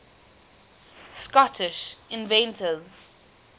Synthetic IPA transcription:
skɔtʰɪʃɪ̃nvɛ̃ntʰəz

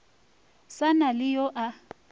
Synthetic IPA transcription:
sanalɪjɔʔa

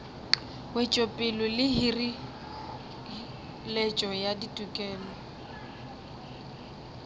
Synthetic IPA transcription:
wɛt͡ʃʼopʼɪlʊlɪɦiri | lɛt͡ʃʼɔjaditʼukʼɛːlɔ

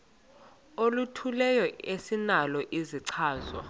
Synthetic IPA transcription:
olutʰulɛjɔesinalɔʔiziǀʰaːzwa̰

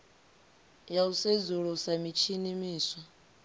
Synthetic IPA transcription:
jaused͡zuɺusamit͡ʃʰinimiːsɔ

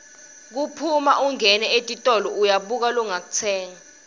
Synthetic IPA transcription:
k̬upʰuma̰ʔuŋɛnɛetʼitʼɔlɔujaɓuk̬alɔŋak̬ut͡sʰɛːŋa

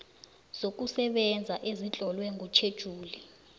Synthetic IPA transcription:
z̥ok̬ʼusɛɓɛnd͡zʱaʔezit͡ɬʼɔlwɛŋut͡ʃʰed̥ʒ̥ʱuːli

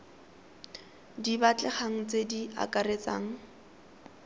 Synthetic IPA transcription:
dibat͡ɬʼɛχaŋ̩t͡sedia̰kʼaret͡sa̰ːŋ̩

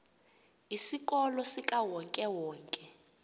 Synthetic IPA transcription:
isik̬ʼɔlɔsikʼawɔŋkʼɛwɔːŋkʼɛ

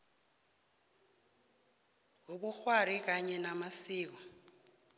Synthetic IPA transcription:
ɦoɓuxwarik̬aɲɛnamasiːk̬ɔ

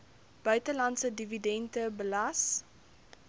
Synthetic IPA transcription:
b̥œɥtəlɐntsədividɛntəbəlɐs

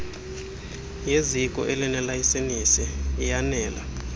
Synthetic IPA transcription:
jezikʼɔ̰ʔelinɛlajisenisɛːjanɛːla̰

